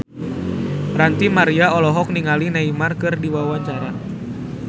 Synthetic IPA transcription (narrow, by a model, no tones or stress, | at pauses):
rant̪imaɾiaɔlɔɦɔk̚niŋalinaimarkɨrdiwawaɲt͡ʃaɾa